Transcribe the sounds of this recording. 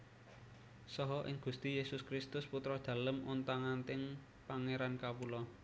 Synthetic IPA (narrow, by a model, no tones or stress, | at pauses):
sɔɦɔʔɪŋɡ̥ust̪ijesʊskɾɪst̪ʊsput̪ɾɔd̪̥ä̤ləmunt̪aŋant̪ɪŋ | paŋeɾankapulɔ